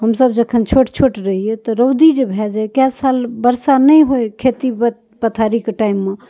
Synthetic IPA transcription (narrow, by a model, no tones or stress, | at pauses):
ɦəmsəbd͡ʒəkʰənt͡ʃʰoʈt͡ʃʰoʈɾəɦiet̪ɔɾəwd̪id͡ʒebʱɛd͡ʒakasalbəɾsanəjɦojkʰet̪ibət̪ | pət̪ʰaɾikeʈaimːe